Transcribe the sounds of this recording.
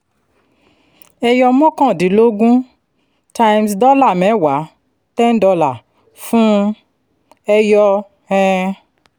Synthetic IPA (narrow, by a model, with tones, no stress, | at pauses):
ɛ˧jɔ˧mɔ̃˦kɔ̃˦˨di˨˦lo˦ɡũ˦ | ta˧ji˧msdɔ˦la˦˨mɛ˨˦wa˨˦ | tɛ˦n˦dɔ˧la˨ | fũ˦ | ɛ˧jɔ˧ | hɛ̃˧